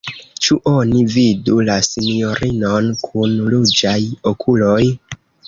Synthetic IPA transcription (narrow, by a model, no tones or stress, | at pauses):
t͡ʃuʔo̞nividulasinio̞ɾʔino̞nkʰunlud͡ʒajokʰulo̞j